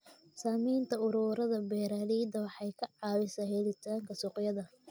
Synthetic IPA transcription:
saːmiːnt̪ʰɐʊɾuːɾɐðɐbɛːɾaliːd̪ɐwɑħɑjkʰɐʕɑːwɪsahɛlɪt̪ʰaːŋkʰɐsʊqjɐðɐ

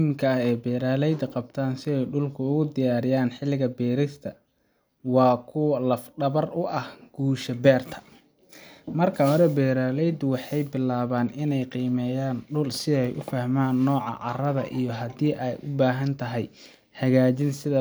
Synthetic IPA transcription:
mkʰɐhɛːbɛːɾaːlɛjd̪ɐqɑb̚t̪ʰaːnsɪɛjɖʊlkʰʊʊɣʊd̪ɪjaːɾɪjaːnħɪlːɪɣɐbɛːɾɪst̪ʰɐ | wɑːkʰʊlɐfɖɐβɐrʊʔɐhɡ̥uːʃɐbɛːrt̪ʰɐ̥ | mɐrkʰɐɦɔɾɛbɛːɾaːlɛjd̪ʊwɑħɑjbɪlaːβaːnɪnɛjqiːmɛːjaːnɖʊlsɪɛjʔʊfahmaːnːɔːʕɑ̰ʕɑ̰rɐðɐʔijɞɦɐd̪iːʔɛjʔʊbaːɦɐnt̪ʰɐɦɛj | hɐɣaːt͡ʃɪnsɪðɐ

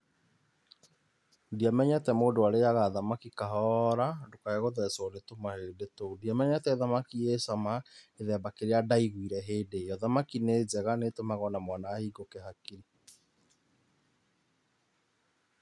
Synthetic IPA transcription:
diamɛɲɛtɛmoːdoaɾejaɣaðamakikaɦɔɾadokaaɣoðɛswaɾetomahedetodiamɛɲatɛeðamakiesamaeðɛːbakeɾeadaiɣwiɾɛɦeːdeɔðamakineːzɛɣanetomaɣɔnamwanaːhiɡokɛɦakiɾi

